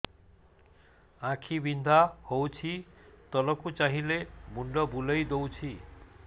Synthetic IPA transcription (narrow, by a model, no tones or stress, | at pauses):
ãkʰibind̪ʱahowt͡ʃʰit̪ɔlɔkut͡ʃaɦilemuɳɖɔbulejd̪owt͡ʃʰi